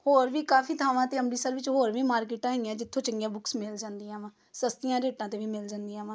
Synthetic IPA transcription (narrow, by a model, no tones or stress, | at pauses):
hoːɾʋiːkaːpʰiːt̪ʰaːʋãːt̪eːəmɖiːsəɾʋɪt͡ʃɦoːɾʋiːmaːɾk̬eːʈãːɦejãːd͡ʒɪt̪ʰːõːt͡ʃəŋɡjãːbʊksmɪld͡ʒãːnd̪iːãːʋãː | səst̪ɪjãːɾeːʈãːt̪eːʋiːmɪld͡ʒãːnd̪iːãːʋãː